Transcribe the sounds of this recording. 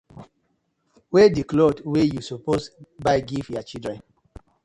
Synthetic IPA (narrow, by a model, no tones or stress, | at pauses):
wediklodwejusoposbaɪɡivjat͡ʃidɹɛ̃n